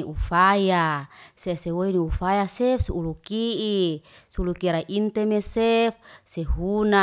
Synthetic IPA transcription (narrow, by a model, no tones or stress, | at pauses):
iʔufajasesewoiniufajasefsuulukiʔisulukiɾaʔint̪emesefseɦuna